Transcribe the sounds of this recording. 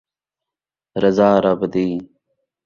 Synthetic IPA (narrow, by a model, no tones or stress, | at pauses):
ɾəzaːɾɐbd̪iː